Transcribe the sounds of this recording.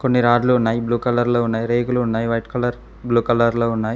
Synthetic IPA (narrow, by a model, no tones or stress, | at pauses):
ko̞nːiɾaːɖluunːaːjibluːkɐlɐɾloːunːaːjiɾeːɡuluunːaːjiʋɐjʈkɐlɐɾ | bluːkɐlɐɾloːunːaːji